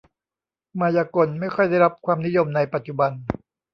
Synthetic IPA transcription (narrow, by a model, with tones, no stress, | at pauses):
maː˧jaː˧ko˧nma˥˩jkʰɔ˥˩jda˥˩jɾa˦˥p̚kʰwaː˧mni˦˥jo˧mna˧jpa˨t̪̚t͡ɕu˨ba˧n